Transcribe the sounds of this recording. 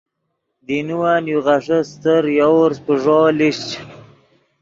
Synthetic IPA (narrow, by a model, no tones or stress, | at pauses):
d̪inuwanjuʁaʂəst̪əɾjawɾspəʐoːliɕt͡ɕ